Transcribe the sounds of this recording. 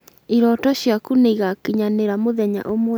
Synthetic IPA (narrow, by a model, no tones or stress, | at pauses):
iɾɔtɔɕjakuneiɣakiɲaneɾamoðɛɲa̰ʔomɔ